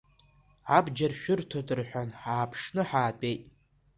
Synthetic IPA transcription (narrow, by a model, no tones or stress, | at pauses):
ʕabd͡ʒarʃᶣʊrtʰodʼɨrħʷᶣanħaːpʰʂnɨħaːtʼejtʼ